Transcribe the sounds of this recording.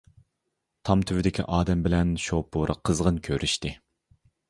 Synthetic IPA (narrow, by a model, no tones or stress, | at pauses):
t̪ʰɑmt̪ʰyvɪd̪ɪkʲʰḭʔɑːd̪ɛmbɪlɛnʃopʰuɾʔəqʰːəzʁənkʲʰøɾʔyʃt̪ɪ